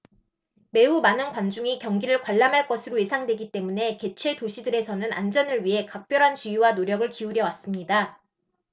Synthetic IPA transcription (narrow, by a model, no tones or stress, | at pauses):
me̞umanɯnkwand͡ʑuŋikjʌŋɡiɾɯɭkwaɭːamɦaɭk͈ʌsʰɯɾoje̞sʰaŋdwe̞ɡit͈e̞mune̞ke̞t͡ɕʰwe̞toɕʰidɯɾe̞sʰʌnɯna̰nd͡ʑʌnɯɭɥiɦe̞kak̚p͈jʌɾɦant͡ɕuiwanoɾjʌɡɯɭkiuɾjʌwas͈ɯmɲida